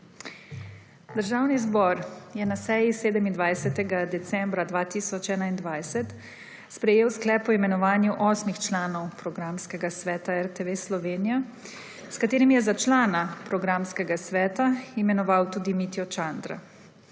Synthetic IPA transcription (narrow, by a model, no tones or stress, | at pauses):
d̪əɾʒaːwnizbɔːɾjɛnasɛːjiseːd̪əmind̪ʋajsɛt̪ɛɡad̪ɛt̪sɛmbɾad̪ʋaːt̪iːsɔt͡ʃɛːnaind̪ʋajsɛt̪ | spɾɛjeːwsklɛːpɔimɛnɔʋaːnjuʔɔːsmixt͡ʃlaːnɔwpɾɔɡɾamskɛɡasʋɛːt̪aɛɾt̪ɛʋeslɔʋeːnija | skat̪eːɾimjɛzat͡ʃlaːnapɾɔɡɾaːmskɛɡasʋɛːt̪aimɛnɔʋawt̪uːd̪imit̪iɔt͡ʃand̪ɾa̰